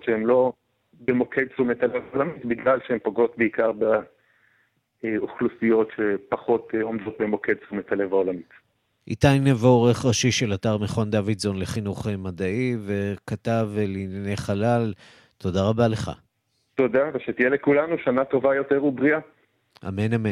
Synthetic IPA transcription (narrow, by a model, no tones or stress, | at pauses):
ʃeemlo̞ | bemo̞kʰed̚t͡sumetalevaolamit̪biɡlalʃeempoɡo̞t̪beikaʁbe | eoχlusijo̞tʃepaχo̞t̪o̞md̪o̞t̪̚bemo̞ked̚t͡sumetalevaolamit̪ | ʔḭt̪ajnevoʁeχʁaʃiʃe̞lataʁmeχond̪avidzo̞nle̞χinuχemadaive̞katavlinanejχalal | to̞daʁabale̞χa̰ | to̞d̪aveʃet̪ijelekulanuʃanat̪o̞vajo̞teʁubʁia | ʔa̰menamen